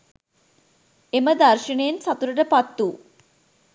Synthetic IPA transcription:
eməd̪arʃiɳejensat̪uɾəʈəpat̪ːu

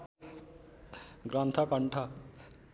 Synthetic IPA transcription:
ɡɾʌnt̪ʰʌkʌɳʈʰʌ

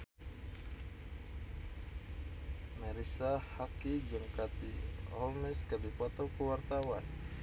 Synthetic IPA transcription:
mɛɾisahakid͡ʒəŋkat̪iɔlmɛskabipɔt̪ɔkəwart̪awan

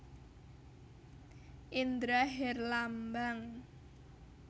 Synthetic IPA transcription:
ʔind̪ɾaɦɛrlambaŋ

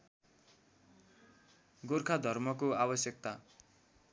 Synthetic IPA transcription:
ɡorkʰad̪ʱʌrmʌkoabʌsjʌk̚t̪a

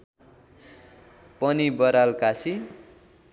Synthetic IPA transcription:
pʌnibʌɾalkasi

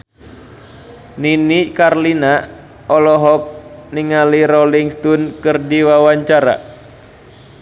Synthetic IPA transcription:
ninikarlina | ɔlɔɦɔk̚niŋaliɾɔliŋst̪unkɨrdiwawaɲt͡ʃaɾa̰

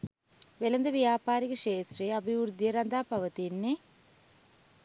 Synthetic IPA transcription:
ʋelɐnd̪ɐʋjaːpaːɾiɣɐʂeːsriɐbʱiʋuɾd̪ijɐɾɐnd̪aːpɐʋɐt̪inːe

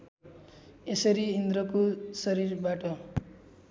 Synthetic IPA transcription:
esʌɾiːnd̪ɾʌkosʌɾirbaʈʌ

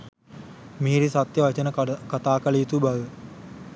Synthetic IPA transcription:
miːɾisat̪jəʋat͡ʃənəkat̪aːkəlit̪ubaʋə

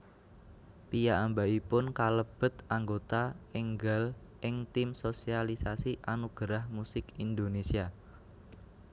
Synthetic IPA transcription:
pijaambaipʊnkaləb̥ə̤t̪aŋɡot̪aeŋɡəl | ʔɪŋt̪imsosialisasiʔanuɡ̥əɾahmusɪkind̪onesia

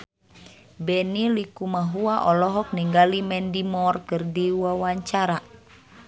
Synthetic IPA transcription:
bɛnilikumaɦuaʔɔlɔɦɔk̚niŋɡalimɛndimɔrkɨrdiwawaɲt͡ʃaɾa

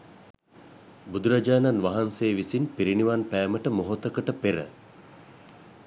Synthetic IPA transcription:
bud̪uɾad͡ʒaːnanʋaɦanseːʋisinpiɾiniʋanpæːməʈəmoɦot̪əkəʈəpeɾə̰

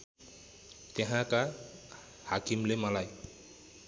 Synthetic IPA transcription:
tɛɦãka | hakimlemalaj

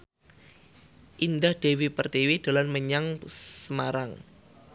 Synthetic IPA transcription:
ʔindahd̥ewipərt̪iwid̥a̤lanməɲaŋssəmaɾaŋ

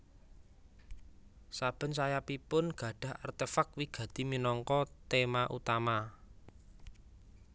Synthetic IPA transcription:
sab̥ə̤nsajapipʊnɡ̥ä̤ɖ̥ä̤ha̰rt̪efakwiɡ̥ä̤t̪iminɔŋkɔt̪emaʔṵt̪ama

